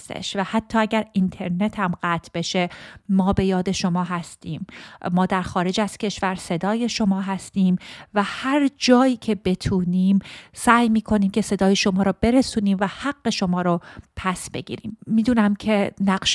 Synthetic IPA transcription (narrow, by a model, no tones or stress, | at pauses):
st̪ḛʃvæhæt̪ʰːɒːæɟæɾint̪ʰe̞ɾne̞t̪ʰæmɢæːt̪ʰb̥e̞ʃe̞ːɒːbe̞jɒːd̪e̞ʃo̞mɒːɦæst̪iːmːɒːd̪æɾxɒːɾe̞d͡ʒæz̥cʰe̞ʃvæɾse̞d̪ɒːje̞ʃo̞mɒːɦæst̪iːmvæhæɾd͡ʒɒːjiːcʰe̞be̞t̪ʰuːniːmsæːjmiːkʰo̞niːmcʰe̞se̞d̪ɒːjeʃo̞mɒːɾɔːbe̞ɾe̞suːniːmvæhæɡːe̞ʃo̞mɒːɾɔpʰæsbe̞̰ɡḭːɾḭːmːiːd̪uːnæmcʰe̞næqʃ